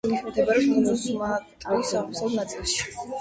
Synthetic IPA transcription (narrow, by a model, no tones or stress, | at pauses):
mikʰmɛt̪ʰɛbaɾinusmat̪ʼɔisamsɔlˠnat̪sʼilˠʃi̥